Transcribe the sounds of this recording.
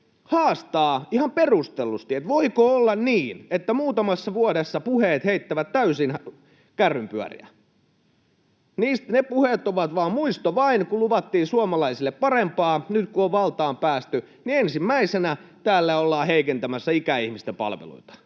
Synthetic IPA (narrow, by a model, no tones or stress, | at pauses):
hɑːst̪ɑːihɑmperust̪elːˑust̪iet̪ʋoikoolːɑnniːnet̪ːæmuːt̪ɑmɑsːɑʋuodesːɑpuheːt̪heit̪ːæʋæt̪t̪æysin | kærːympyæ̰rḭæ̰ | niːst̪nepuhet̪oʋɑt̪ʋɑːmmuist̪oʋɑinkuluʋɑt̪ːiːsuomɑlɑisilːeppɑrempɑːnyt̪kuoʋʋɑlt̪ɑːmpæːst̪y | niensimːæisenæt̪æːlːæolːɑːheikent̪æmæsːæikæihmist̪epɑ̰lʋḛlṵit̪ɑ̥